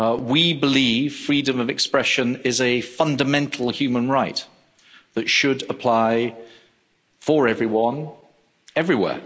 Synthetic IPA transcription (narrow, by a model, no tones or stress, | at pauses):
wibɪliːv̥fɹiːdə̃məvɨkspɹɛʃə̃nɪzəfʌ̃ndəmɛ̃ntʰˡl̩ˠhjʉːmə̃nɹaɪʔ | ðətʃədəpʰl̥aɪ | fəɹɛvɹiwʌ̃n | ɛvɹiwɛ̰ː